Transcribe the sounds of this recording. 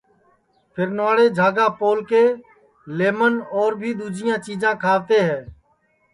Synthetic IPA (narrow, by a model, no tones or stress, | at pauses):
pʰɪɾnaːɽeːd͡ʒʱaːɡãːpoːlkeː | leːmənɔːɾbʱiːd̪uːd͡ʒʱɪjãːt͡ʃiːd͡ʒãːkʰaːʋt̪eːɦɛ̃ː